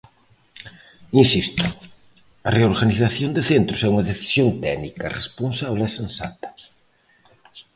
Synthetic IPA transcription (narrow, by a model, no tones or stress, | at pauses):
insist̪ʊ̥ | ɐreoɾɣaniθaθjond̪eθent̪ɾʊsɛuŋɐðeθi̥sjont̪ɛnikɐrḛsponsaβlesensa̰t̪ɐ̥